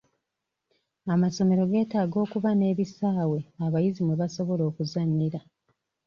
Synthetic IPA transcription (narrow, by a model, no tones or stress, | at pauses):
amaso̞me̞ɾo̞ɡe̞ːtaːɡo̞ːkuβane̞ːβisaːwe̞aβajizimweβaso̞βo̞lo̞ːkuzanːiɾa